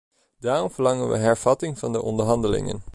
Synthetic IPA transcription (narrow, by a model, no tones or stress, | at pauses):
d̥aːrɔmv̥əɹlɑŋənʋə̰ɦɛɹv̥ɑtɪŋvɑndəʔɔndəɹɦɑndəlɪ̰ŋə̰n